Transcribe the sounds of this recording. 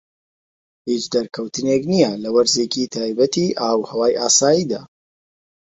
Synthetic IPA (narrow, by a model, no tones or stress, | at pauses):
hit͡ʃd̪ɐɾkʰɐwt̪ʰɨneknijɐlɐwɐɾzeːkit̪ʰaːjbɐt̪iʔaːwhɐwaːjʔaːsaːjiːd̪a̰ː